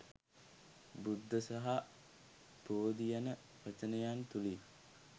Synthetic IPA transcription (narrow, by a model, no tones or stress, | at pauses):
bud̪ʱːəsaɦa | poːd̪ijanə | ʋɐt͡ʃənəjant̪uli